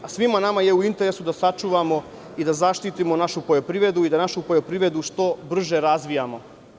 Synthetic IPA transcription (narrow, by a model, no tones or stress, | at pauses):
asʋimanamaje̞uint̪e̞ɾe̞sud̪asat͡ʃuːʋamo̞ | id̪azaʃt̪it̪imo̞naʃupoʎo̞pɾiːʋɾe̞d̪uid̪anaʃupoʎo̞pɾiːʋɾe̞d̪uʃt̪o̞br̩ʒe̞ɾazʋijamo̞